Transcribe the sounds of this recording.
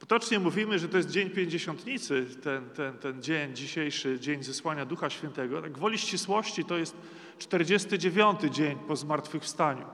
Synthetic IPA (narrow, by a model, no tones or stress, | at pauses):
pɔ̥t̪ɔt͡ʂɲɛmuvʲimɘʐɛt̪ɔjɛst̪̚d͡ʑeɲpʲjeɲd͡ʑeɕɔnt̪ɲit̪sɘt̪ɛnt̪ɛnt̪ɛnd͡ʑeɲd͡ʑiɕejʂɘd͡ʑeɲzɛswaɲad̪uxaɕfʲjɛnt̪ɛɡɔt̪aɡvɔlʲiɕt͡ɕiswɔɕt͡ɕit̪ɔjɛst̪ | t͡ʂt̪ɛɾd͡ʑest̪ɘd͡ʑevʲjɔnt̪ɘd͡ʑeɲpɔzmaɾt̪fɘxfst̪aɲṵ